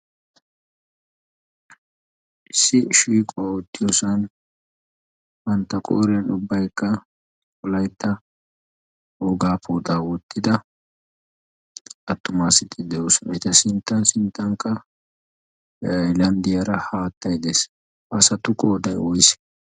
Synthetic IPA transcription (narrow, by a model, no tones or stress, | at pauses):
ʔɪsːɪʃiːkʼɔwawɔt̪ːɪjosɐn | hɐnt̪ːɐkʼo̰ːɾɛnʊbːɐjkːɐ | kɔlɐjt̪ːɐ | oːɡaːpʰoːd̪aːwɔt̪ːɪd̪ɐ | ɐt̪ːʊmaːsɪt̪ɪd̪ɛjoːsɔnɪt̪ɐsɪnt̪ːɐnsɪnt̪ːɐŋkːɐ | jlɐnd̪ɪjɐɾɐhaːt̪ːɐjd̪es | ʔɐsɐt̪ʊkʼoːd̪ɐjɔjɪs